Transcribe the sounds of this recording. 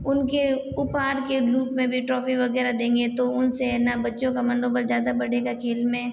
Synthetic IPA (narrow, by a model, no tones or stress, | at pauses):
ʊnke | ʊpaːɾkeɾuːpmẽbʱiʈɾɔːfiʋɐɣɛːɾad̪ẽːŋɡet̪oʊnsenabɐtːʃõkamɐ̃nɖoːbəlzjaːd̪abɐɽeɡakʰeːlmẽ